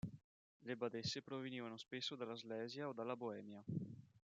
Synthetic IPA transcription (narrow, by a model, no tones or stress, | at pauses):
lebad̪esːepɾoveniːvanospesːod̪alːazlɛːzjaod̪alːaboɛːmja